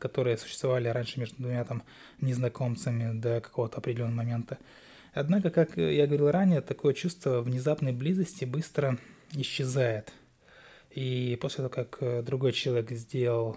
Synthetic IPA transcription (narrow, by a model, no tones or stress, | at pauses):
kɐt̪o̞ɾɨjəsʊɕːɪ̥st̪vɐvalʲɪɾanʲʂɨmʲeʐd̪ʊd̪vʊmʲat̪am | nʲɪznɐko̞mt̪sɨmʲɪd̪əkɐ̥ko̞vət̪əɐpɾʲɪdʲɪlʲonːəməmɐmʲent̪ə | ɐd̪nakəkakjaɡəvɐɾilˠɾanʲɪjət̪ɐko̞jət͡ɕust̪vəvnʲɪzapnəjblʲizəsʲtʲɪbɨst̪ɾəɪɕːɪzajɪt̪ | iposʲlʲɪt̪ɐvokakd̪ɾʊɡo̞jt͡ɕɪlˠɐvʲekzʲdʲe̞lˠəlˠ